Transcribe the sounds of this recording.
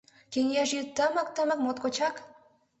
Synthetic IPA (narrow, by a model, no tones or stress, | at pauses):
kʲenjæʒet̪ːɑmɑk̚t̪ɑmɑkmot̪kot͡ɕɑk